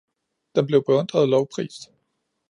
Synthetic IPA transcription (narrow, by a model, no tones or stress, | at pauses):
d̥emb̥le̝ʊb̥eɔ̽n̰d̥ʁɐðˠlɒʊpʰʁḭːsd̥